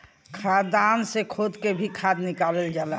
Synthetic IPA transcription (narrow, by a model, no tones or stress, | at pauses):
kʰad̪ansekʰod̪kebʱikʰad̪nikaləld͡ʒaːla